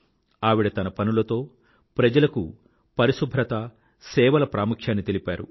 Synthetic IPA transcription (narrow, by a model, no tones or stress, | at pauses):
aːʋiɽɐt̪ɐnɐpɐnulɐt̪o̞ː | pɾɐd͡ʒɐlɐku | pɐɾisubʱɾɐt̪ɐ | sɛːʋɐlɐpɾaːmukʰjaːnːit̪elipaːɾṵ